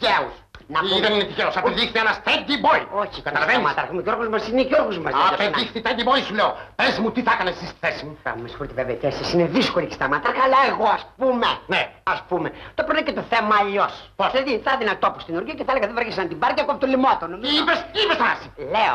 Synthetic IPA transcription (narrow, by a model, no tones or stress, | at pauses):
eos | nɐðeninet̪iʝeosɐpeðixθienɐsθend̪iboḭoçi̥kɐt̪ɐlɐvemɐt̪ɐɾumeoʝoɾɣozmɐsineiʝoɾɣuzmɐsapenixθiθend̪iboisuleopezimut̪iθɐkɐnesist̪i̥θesimuɐ̰mɐsxoit̪veveɐc̪esisineðiskolike̥st̪ɐmɐt̪ɐɾxɐlɐeɣoɐspume̞̰neɐspumet̪opɾonicet̪oθemɐːʎo̞sposilɐðiθɐðinɐt̪opust̪iniuɾʝiɐceθɐleɣɐðevɾçisɐnt̪ibɐɾciɐpoɐpot̪olimot̪onomizipesipestɐnɐsi̥leo̰